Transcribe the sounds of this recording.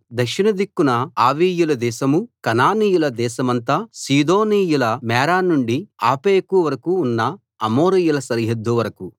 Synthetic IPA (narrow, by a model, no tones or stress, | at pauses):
d̪ɐkʂinɐd̪ikːunɐaːʋiːjulɐd̪ɛːʃɐmukɐnaːniːjulɐd̪ɛːʃɐmɐnt̪aːsiːd̪oːniːjulɐmɛːɾaːnuɳɖiaːpeːkuʋɐɾɐkuːnːɐ | ɐmoːɾijulɐsɐɾiɦɐd̪ːuʋɐɾɐku